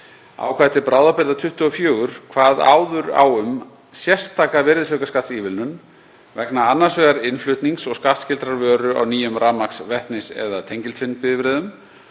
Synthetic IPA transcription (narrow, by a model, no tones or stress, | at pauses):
a̰wkʰvaðt̪ʰɪpɾaːwðapɪɾðat̪ʰʏht̪ʏɔfjœːɣʏɾ̥kʰvaːða̰ːwðʏɾa̰wʏm | sjɛr̥st̪ʰːaːkavɛɾðɪsɛkaskat̪siːvɪlnʏn | vɛknaanːaɾsvɛɣaɾɪnflʏht̪niŋksɔɣskaht̪scɪlt̪ɾaɾvœːɾʏa̰wniːjʏmɾaːmaksvɛht̪nɪsɛ̰ðat̪ʰejɲcɪlt̪fɪnpɪðɪvɾɛːðʏm